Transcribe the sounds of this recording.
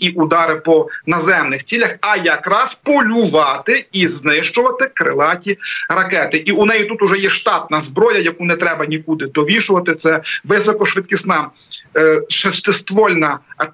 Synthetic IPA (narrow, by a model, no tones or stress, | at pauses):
iʔud̪ɑɾɪpɔnɐzɛmnɪxt͡sʲilʲɐxɐjɐkɾɑspɔlʲʊʋɑt̪ɪiznɪʃt͡ʃʊʋɐt̪ɪkɾɪ̰lˠɑtʲiɾɐkɛt̪ɪʔiunɛjit̪ut̪ʊʒɛjɛʃt̪ɑt̪̚nɐzbɾɔjɐjɐkunɛt̪ɾɛbɐnʲikud̪ɪd̪ɔʋʲiʃʊʋɐt̪ɪt̪sɛʋɪsɔkɔʃʋɪt̪kʲisnɑ | ʃɐst̪ɪst̪ʋɔlʲnɐ